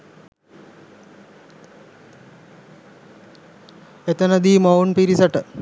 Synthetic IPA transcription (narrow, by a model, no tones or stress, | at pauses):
et̪ənɐd̪iːmɐwunpiɾisɐʈə